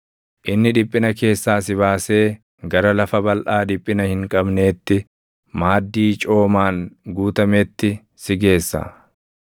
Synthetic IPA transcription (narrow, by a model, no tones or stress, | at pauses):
ʔɪnːɪᶑɪpʼːɪnɐke̞ːsːaːsɪβaːse̞ː | ɡɐɾɐlɐfɐbɐlʔaːd̪ɪpʼːɪnɐhɪŋkʼɐbne̞ːt̪ːɪ | maːd̪ːiːt͡ʃʼo̞ːmaːŋɡuːt̪ɐmeːt̪ːɪ | sɪɡe̞ːsːa̰